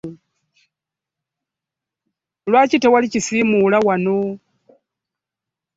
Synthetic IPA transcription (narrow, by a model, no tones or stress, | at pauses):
lwat͡ʃitɛwalit͡ʃisimulawano